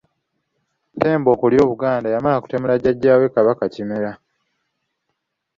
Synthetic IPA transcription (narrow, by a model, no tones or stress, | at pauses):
te̞ːmbo̞ːkuljo̞ːβuɡaːndajamalaku̥te̞mulaɟaɟːaːwe̞kaβakacimeɾa